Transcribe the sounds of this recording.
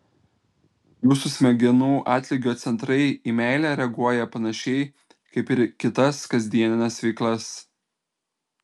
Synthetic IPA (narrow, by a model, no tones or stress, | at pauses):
juːsʊsʲmʲɛɡʲɪnuːʔɑːt̪ʲlʲɪɡʲoːt̪sʲɛnt̪ɾɐɪiːmʲæˑɪlʲæɾʲɛɡuɔjɛpɐnɐʃʲɛɪ | kɐɪpɪɾkʲɪt̪ɐskɐzʲd̪ʲiɛnʲɪnʲɛsʋʲɛɪklˠɐs